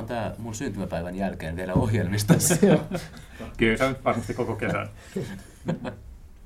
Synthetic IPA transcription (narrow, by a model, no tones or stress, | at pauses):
nt̪æːmunsynt̪ymæpæiʋænjælkeːnʋielæohjelmist̪ɑ | kylsænyt̪ʋɑrmɑst̪ikokokesæ̰n